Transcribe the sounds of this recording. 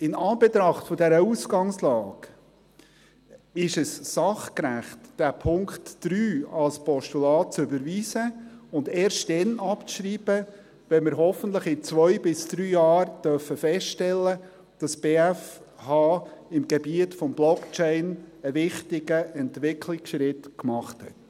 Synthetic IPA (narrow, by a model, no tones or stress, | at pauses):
ɪnɑːbɛt̪ɾɑχtfɔdɛɾəuːsɡ̥ɑŋslɑːɡ | ɪʃɛssɑχkɾæχtd̥æpʰʊŋktːɾyːɑlspʰɔʃtulɑːt̚t͡sʏbəɾviːsəʊndɛːɾʃtd̥ɛnɑpt͡sʃɾiːb̥ə | ʋɛmɪɾɦɔfənt̪ləχɪt͡sʋœjbɪsd̥ɾyːjɑːɾd̥œfəfɛstʃtɛlːə | d̥ɑsb̥eːæf | hɑːɪmɡɛbiətfɔmblɔkt͡ʃɛɪnəvɪχtɪɡəʔɛntʋɪkʰlɪksʃɾɪtkmɑχthɛ̰t